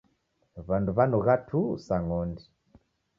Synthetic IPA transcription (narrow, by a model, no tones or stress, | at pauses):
βanduβanuɣatʰusaŋɔndi